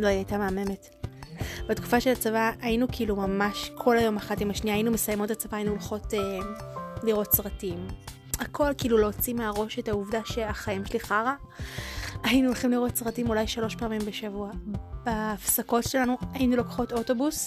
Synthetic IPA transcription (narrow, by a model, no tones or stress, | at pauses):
lo̞iajtameame̞me̞t | betku̥faʃe̞lat͡savaʔainukʰiːlumamaʃkʰo̞lajo̞maχatimaʃniaːinume̞sajemo̞tat͡savaːjinuolχo̞te | liʁo̞tsʁatim | akʰo̞lkiːlulo̞ːt͡simeaʁo̞ʃe̞tauvdaʃeaχaimʃeliχaʁa | ainuolχimliʁo̞tsʁatimulajʃalo̞ʃpeamimbe̞ʃavuab̥aːfsako̞tʃe̞lanuajinulokḁχo̞to̞to̞bus